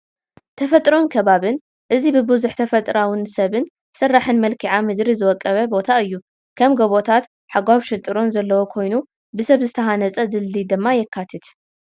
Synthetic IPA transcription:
t̪ʰɐfɐt̪ʼɾonkʰɐβaβɨn | ʔɨzibɨbɨzuħt̪ʰɐfɐt̪ʼɾawɨnsɐβɨn | sɨrːaħɨnmɐlkʰiʕamɨd̪ɾizɨwɐkʼːɐβɐbo̞t̪ʰaɨjːu | kʰɐmɡɐβo̞t̪ʰat̪ | ħaɡwaβʃɪt̪ʼɨɾo̞nzɐlːɐwokʰo̞jnu | bɨsɐβzɨt̪ʰɐɦanɐt͡sʼɐd̪ɨlːid̪ɨmːajɛkʰːat̪ʰɨt̪

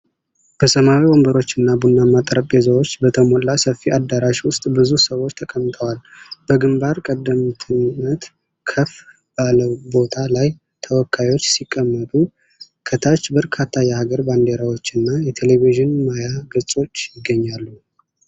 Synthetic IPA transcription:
b̥əsəmawiwombəɾo̞t͡ʃːɨnːabunːamat̪ʼɾəpʼezəwo̞t͡ʃːbət̪ʰəmolːasəfːiʔad̪aɾaʃwʊst̪ʼbɨzusəwot͡ʃːt̪ʰəkʼəmt̪ʰʼəwalb̥əɡɨmbaɾkʼəd̪ːəmt̪ʰɨnːət̪ | kʰəf | baləbo̞t̪ʰalaj | t̪ʰəwɔkʰːajwot͡ʃːsikʼːəmːət̪ʼu | kʰət̪ʰat͡ʃːbəɾkʰat̪ʰːajɛhaɡəɾband̪eɾawo̞t͡ʃːɨnːajɛt̪ʰe̞le̞viʒɪnmajaɡɨsʼo̞t͡ʃːjɪɡːəɲːalːu

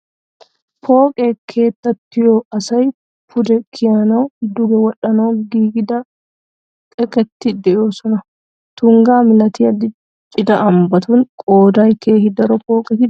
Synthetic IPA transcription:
po̞ːkʼɛkʰe̞ːt̪ːɐt̪ːɪjoːɐsɐj | pʊd̪ɛkʰɪjɐnoːd̪ʊɡɛwɐᶑɐno̞ːɡiːɡɪd̪ɐ | kʼɛkɛt̪ːɪd̪ɛjoːsɔnɐ | t̪ʊŋɡaːmɪlɐt̪ɪjɐd̪ɪ | t͡ʃʼɪd̪ɐʔɐmbɐt̪uŋkʼoːd̪aːjkeːhɪd̪ɐɾɔpo̞ːkʼɛt̪ɪ

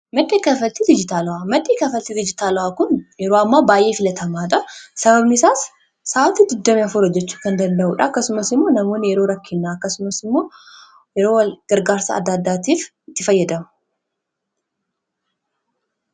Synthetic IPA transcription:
mɐd̪ːeːkɐfɐlt̪ɪd̪ɪd͡ʒɪt̪aːlʊwamɐd̪eːkɐfɐlt̪ɪd̪ɪd͡ʒɪt̪aːlʊaːkʊnjɛɾoːɐmːaːbaːjʔe̞ːfɪlɐt̪ʰɐmaːᶑɐsɐbɐbnɪsaːsː | aːwɐt̪id̪ɪd̪ːɐmiɐfʊɾɐd͡ʒɛt͡ʃːu̥ːkɐnd̪ɐnd̪ɐʔuːᶑɐɐkːɐsʊmɐsɪmːo̞ːnɐmo̞ːnjɛɾoːɾɐkːɪnːaːɐkːɐsʊmɐsɪmːo̞ː | jɛɾoːwɐlɡ̥ɐɾɡaːɾsɐ̰ːd̪ːɐːd̪ːaːt̪iːfɪt̪ːɪfɐjːɐd̪ɐmʊ

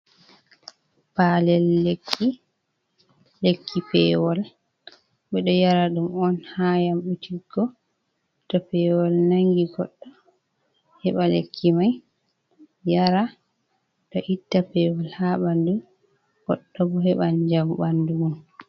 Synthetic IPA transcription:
palɛlːekʰːi | lekːipɛwɔl | ɓɛɗɔjaɾaɗumɔnhajamɓutʰiɡɔ | tɔpɛwɔlnaŋɡiɡɔɗːɔ | hɛɓalḛkʰːimaj | jaɾa | tɔʔitːapɛwɔlhaɓandu | ɡ̥ɔɗːɔbɔɦɛɓand͡ʒambanduun

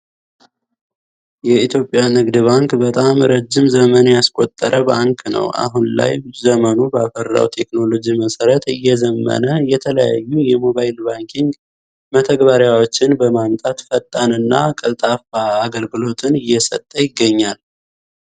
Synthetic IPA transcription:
jɛit̪ʰjo̞pʼːjamɨɡd̪βaŋkbət̪ʼamɾəd͡ʒːɪmzəmənjaskʼo̞t̪ʼːəɾʔəbaŋkʰnə̰wʔa̰ɦunla̰jzəmənubəafəɾda̰wt̪ʰe̞kno̞lo̞d͡ʒiməsəɾət̪ɨjːɛzəmːə̰nəjɛt̪ʰələja̰jːujɛmo̞βajɪlbaŋkʰiŋɡ | mət̪ʰəɡbaɾjawo̞t͡ʃːɪnbəmamt̪ʼat̪fət̪ʼːanɨnːa̰kʼəlt̪ʼafaːɡəlɡɨlo̞t̪ʰɨnɨjːɛsə̰t̪ʼːəjɪɡːəɲːal

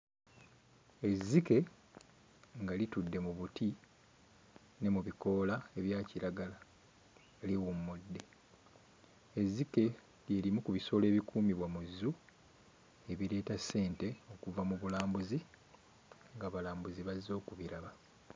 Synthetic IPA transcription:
e̞zːike̞ | ŋɡalitudːe̞muβuti | ne̞muβiko̞lae̞βjaːciɾaɡala | eliwumudːe̞ | ezːike̞ | lje̞ːlimukuβiso̞ːle̞ːβikuːmiβwamuzːu | e̞βiɾe̞ːtasːe̞ːnte̞o̞kuvamuβulaːmbuzi | ŋɡaβalaːmbuziβazːo̞ːkuβiɾaβa

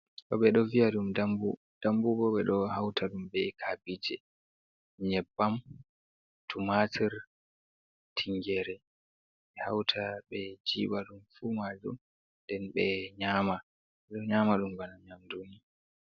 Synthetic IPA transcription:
kɔ̰ɓɛɗɔvijaɗumdambu | d̥ambubɔɓɛɗɔhawtʰaɗumɓɛkʰabid͡ʒɛ | ɲɛbːam | tumatʰiɾ | tʰiŋɡɛɾɛ | ɓɛhawtʰaɓɛd͡ʒḭːɓaɗumfuːmad͡ʒṵm | ndɛnɓɛɲaːma | ɛɗɔɲaːmaɗumbanaɲamduni

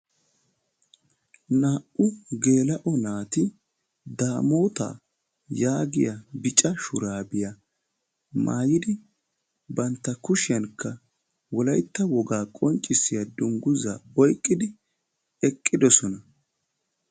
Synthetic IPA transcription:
naːʔʊɡe̞ːlɐʔɔnaːt̪ɪ | d̪aːmo̞ːt̪a̰ː | jaːɡɪjɐbɪt͡ʃʼɐʃʊɾaːbɪjɐ | ma̰ːjɪd̪ɪ | bɐnt̪ːɐkʊʃɪjɐnkːɐ | wɔlɐjt̪ːɐwɔɡaːkʼɔnt͡ʃʼːɪsɪjɐd̪ʊŋɡʊza̰ːɔjkʼːɪd̪ɪ | ɛkʼːɪd̪ɔsɔnɐ

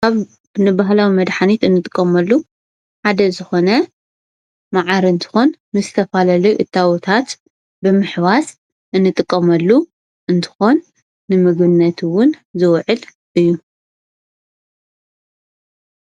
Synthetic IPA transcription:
kaβ | bɨnɨbaɦlawimɐd̪ħanit̪ɨnːɨt̪ʼɨkʼːɐmɐlːu | ħad̪ɐzɨxo̞nɐ | maʕaɾiɨnt̪ʰɨ̥xonmɨzɨt̪ʰɐfalalɐjʔɨt̪ʰːawt̪ʰat̪ | bɨmɨħβas | ʔɨnːɨt̪ʼɨkʼːɐmɐlːu | ʔɨnt̪ʰɨ̥xo̞nː | ɨmɨɡbɨnːɐt̪ʰwʊnzɨwʕɨl | ʔɨjːu

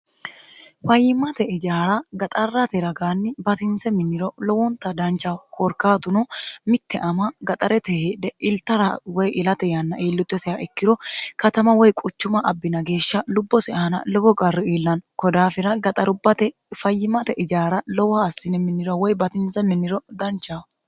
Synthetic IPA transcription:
fɐjːɪmɐt̪ɛɪd͡ʒaːɾɐɡɐt̪ʼɐrːɐt̪ɛɾɐɡaːnːɪbɐt̪ɪnsɛmɪnːɪɾɔlɔwɔnt̪ːɐd̪ɐnt͡ʃːɐkʰɔɾkaːt̪ʊnɔmɪt̪ʰːɛʔɐmɐɡɐt̪ʼɐɾɛt̪ɛheːd̪ɛʔɪlt̪ːɐɾɐwɔjɪlɐt̪ɛjanːɐʔeːlːʊt̪ːɛsɛaʔɛkːɪɾɔkɐt̪ɐmɐwɔjkʼʊt͡ʃːʊmɐʔɐbːɪnɐɡe̞ːʃːɐlʊbːɔsɛɐɐnɐ̰lɔwɔɡɐrːɪeːlːɐnkɔd̪aːfɪɾɐɡɐt̪ʼɐɾʊbːɐt̪ɛ | fɐjːɪmɐt̪ɛʔɪd͡ʒaːɾɐlɔwaːsːɪnɛmɪnːɪɾɔwɔjbɐt̪ɪnsɛmɪnːɪɾɔd̪ɐnt͡ʃːaw

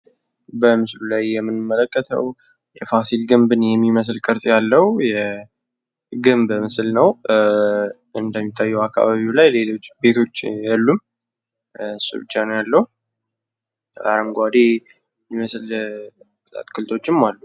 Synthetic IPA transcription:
bəmɨslulajːɛmːɨnɨmːələkʼːət̪ʰə̰w | jɛfasilɡɨmbɨnjɛmːiməs̬lkʼəɾsʼjalːəwjɛ | ɡɨmbəmɨsɨlnəw | ɨnd̪əmːit̪ʰːajːɛwakːa̰βaβiwlajle̞lo̞t͡ʃːbe̞t̪ʰo̞t͡ʃːjalːum | sɨ̰βd͡ʒanjalːəhu | a̰ɾəmɡʷad̪e | mːiməsl | kɨt̪ʼa̰t̪ʼkʰɨlt̪ʼo̞t͡ʃːɪmːalːu

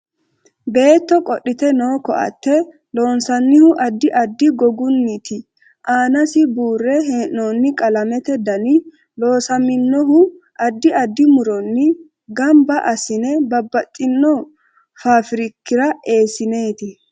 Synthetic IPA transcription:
be̞ːt̪ːɔkʼɔɗːɪt̪ɛnoːkɔʔɐ̰t̪ːɛ | lo̞ːnsɐnːɪhʊʔɐd̪ːɪʔɐd̪ːɪɡɔɡʊnːɪt̪ɪ | ʔaːnɐsɪbuːrːɛɦeoːnːɪkʼɐlɐmɛt̪ɛd̪ɐnɪ | lo̞ːsɐmɪnːɔɦʊ | ʔɐd̪ːɪɐd̪ːɪmʊɾɔnːɪ | ɡɐmbɐʔɐsɪnɛbɐbːɐt̪ʼːɪnːɔ | faːfɪɾɪkːɪɾɐe̞ːsɪne̞ːt̪ɪ

